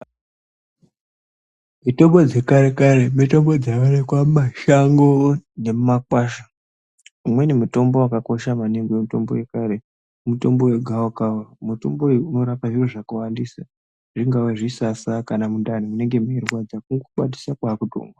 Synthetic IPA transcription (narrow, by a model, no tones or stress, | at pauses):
mito̞mbo̞d͡ze̞kaɾe̞kaɾe̞mito̞mbo̞d͡zawanekwamaʃaŋɡone̞mumakwaːʃa | umwe̞nemuto̞mbo̞wakako̞ʃamaneŋɡoemito̞̰mboje̞kaɾe | muto̞mbo̞we̞ɡʱaokauromuto̞mboeuno̞ɾapaʐiroʐakawandisa | ʐiŋɡawaʐisasakanamundanimune̞ŋɡe̞merwad͡zakuŋɡuɓa̰di̥sakwaːkuto̰ːŋɡwa